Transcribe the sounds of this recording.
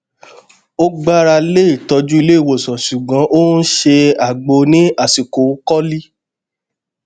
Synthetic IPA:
o˦ɡ͡ba˦ɾa˧le˦i˨tɔ˧d͡ʒu˦i˧le˦i˦˨wo˨sɔ̃˨ʃu˨ɡ͡bã˨˦ʔo˦n̩˦ʃe˧a˨ɡ͡bo˧˦nĩ˨˦a˦˨si˨ko˨˦kɔ˦li˦

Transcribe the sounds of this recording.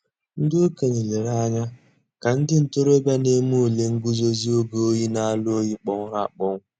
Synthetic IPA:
n̩˦dʊ˦o˦ke˨ne˨le˨ɾa˦ɲa˦ | ka˨n̩˦dɪ˦n̩˨to˦ɾo˦bja˦ne˦mu˦o˨le˦ŋ̩˦ɡu˦zo˦zi˦o˦ɡo˦o˦ji˦na˦˨a˨lo˦ji˦k͡pɔ˦ŋʷ˦ɾa̰˦˨k͡pɔ˦ŋʷ˦

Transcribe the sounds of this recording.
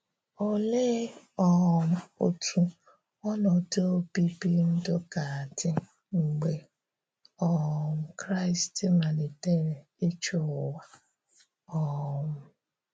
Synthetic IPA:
o˦˨le˦ | ɔ˦˨mʊ˨˦o˨tʰu˦ | ɔ˦nɔ˨do˦pi˦pi˦n̩˦dʊ˦ka˨a˨dɪ˦ | ŋ͡m̩˨ɡ͡be˨ | ɔ˦˨m̩˨kɾa˦ɪ˨stɪ˦ma˨nɪ˨te˦ɾe˨ | e˦t͡ʃo˦˨wa˦ | ɔ˦˨mʊ˨

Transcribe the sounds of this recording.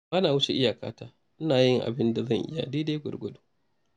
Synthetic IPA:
baː˦naː˨wʊ˦t͡ʃe˨ʔɪ˦ja˨ka̰ː˦taː˦ | ʔɪ˦naː˨jɪ˦ŋʔa̰˨bɪ˦nda˨zɐ˦˨ŋʔɪ˦ja̰˨diː˦deː˦ɡʷʊ̰˨rɡʷʊ˦du˦

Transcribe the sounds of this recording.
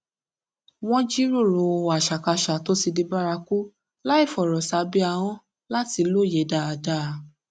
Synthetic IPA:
w̃ɔ̃˦d͡ʒi˦ɾo˦˨ɾo˨˧a˨ʃa˨ka˧ʃa˨to˦si˧di˧ba˦ɾa˧ku˦ | la˦i˦˨fɔ˨ɾɔ˨sa˨˦bi˦a˧w̃ɔ̃˦ | la˦ti˧lo˦˨je˨˦da˦˨a˨da˦˨

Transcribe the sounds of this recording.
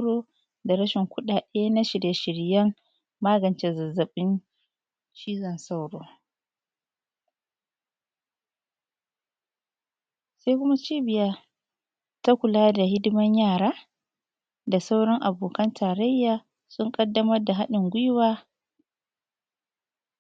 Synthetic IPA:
ɽoː˦ | da˨ɾɐ˦ʃɪ˨ŋkʷʊ˦ɗaː˨ɗeː˦na˦ʃɪ˨ɾje˨ʃɪ˨ɽjɐ˦m | maː˦ɡɐ˨nt͡ʃe˦zɐ˨zːɐ˨ɓɪ˦n | t͡ʃiː˦zɐ˨nsa˦wɽoː˦ | sa˦jkʷʊ˦ma˦t͡ʃiː˦bɪ˨ja˦ | ta˦kʷʊ˨laː˦da˨ɦɪ˦dɪ˦mɐ˦ɲjaː˦˨ɽaː˦ | da˨sa˦wɽɔ˦ŋʔa˨boː˨kɐ˦ntʰaː˨ɾɐ˦jːaː˨ | sʊ˦ŋkʼɐ˦dːɐ˦mɐ˦rda˨ɦa˦ɗɪ˨ŋɡʷʊ˦waː˦

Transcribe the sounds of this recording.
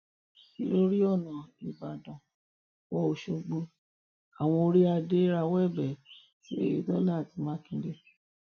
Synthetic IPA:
i˦lo˦ɾi˦ɔ˦˨nã˨i˨ba˨dɔ̃˨ | wɔ˧o˧ʃo˧ɡ͡bo˧ | a˨w̃ɔ̃˧o˧ɾi˦a˧de˦ɾa˧wɛ˦˨bɛ˨ | ti˦ḛ˦˨jḛ˨dɔ˦la˦˨ti˨˦mãː˨˦kĩ˧de˦

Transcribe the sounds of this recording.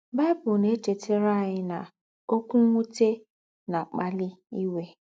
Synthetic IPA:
ba˦bʊ˨ne˦te˨tʰe˦ɾa˦˨ɲɪ˦na˨ | o˦kʷu˦ŋʷu˦te˦ | na˨k͡pa˦lɪ˦i˦we˦

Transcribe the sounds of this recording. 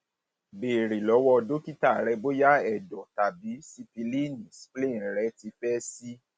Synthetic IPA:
be˨ɾi˨lɔ˨˦wɔ˦˧do˦ki˦ta˦˨ɾɛ˨˧bo˦ja˦ɛ˨dɔ˨ta˨bi˨˦si˦pi˧li˦˨nĩ˨splĩ˦˨ɾɛ˨˦ti˧fɛ˦si˦

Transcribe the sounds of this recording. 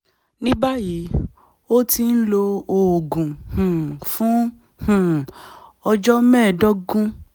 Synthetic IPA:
nĩ˦ba˦ji˨˦ | o˦ti˧n̩˦lo˧o˨ɡũ˨hũ˨fũ˨˦ | hũ˨ɔ˧d͡ʒɔ˦mɛ̃ː˦˨dɔ˦ɡũ˦

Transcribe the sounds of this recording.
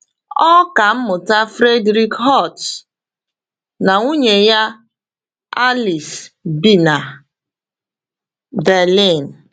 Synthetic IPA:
ɔ˦ka˨m̩˦mʊ˨ta˦fɾe˦dɾi˦kɦɔ˦˨t | na˨ŋu˦ɲe˨ja˦ | a˦li˨sbi˦na˨ | bɛ˨li˦˨n˨

